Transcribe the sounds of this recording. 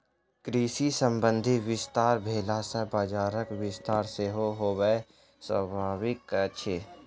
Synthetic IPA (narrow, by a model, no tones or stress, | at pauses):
kɾiːsisə̃mbə̃nd̪ʱɪwɪst̪aːɾbʱeːlasəbaːd͡ʒaːɾəkwɪst̪aːɾseɦoɦoːwəe | swə̰bʱaːwɪkt͡ʃʰeː